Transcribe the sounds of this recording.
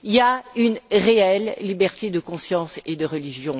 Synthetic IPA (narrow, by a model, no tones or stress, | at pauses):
iaynʁeɛlːibɛʁt̪ed̪əkɔ̃sjɑ̃sed̪əʁəliʒjɔ̃